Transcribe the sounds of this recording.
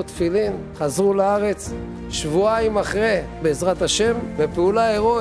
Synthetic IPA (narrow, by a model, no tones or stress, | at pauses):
ot̪filimχazʁulaaʁe̞t͡s | ʃvuaimaχʁebeːzʁat̪haʃe̞mvepeulaeʁo